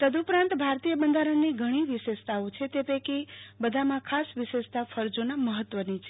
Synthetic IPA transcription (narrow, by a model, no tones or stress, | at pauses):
t̪əd̪upɾãnt̪bʱaɾt̪ijəbənd̪ʱaɾənːiɡʱəɽ̃iʋiʃeʃt̪aot͡ʃʰet̪epəjkibəd̪ʱamãkʰasʋiʃeʃt̪afʰəɾd͡ʒonaməɦət̪ːʋənit͡ʃʰe